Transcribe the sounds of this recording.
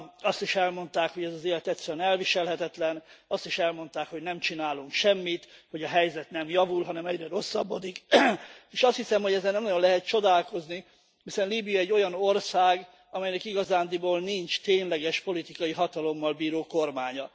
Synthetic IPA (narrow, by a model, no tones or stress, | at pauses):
ɒst̪iʃɛlmo̞nt̪aːkho̞ɟɛzɒzeːlɛt̪ɛt̪sːɛɾɛɛnɛlviʃɛlɦɛt̪ɛt̪lɛnɒst̪iʃɛlmo̞nt̪aːkho̞ɟnɛmt͡ʃinaːluŋkʃɛmːit̪ho̞ɟɒɦɛjzɛt̪nɛmjɒvulɦɒnɛmɛɟrɛɾo̞sːɒbːo̞d̪ik | eːʃɒst̪hisɛmho̞ɟɛzːɛlnɛmnɒjo̞nlɛɦɛt̪̚t͡ʃo̞d̪aːlko̞zni | hisɛnliːbijɒɛɟːo̞jɒno̞rsaːɡ | ɒmɛjnɛkiɡɒzaːnd̪iboːlnint͡ʃt̪eːnlɛɡɛʃpo̞lit̪ikɒjiɦɒt̪ɒlo̞mːɒlbiːɾoːko̞rmaːɲɒ